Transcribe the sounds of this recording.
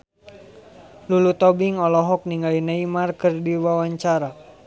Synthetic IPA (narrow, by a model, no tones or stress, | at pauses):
lulut̪ɔbiŋɔlɔɦɔk̚niŋɡalinaimarkɨrdiwawaɲt͡ʃaɾa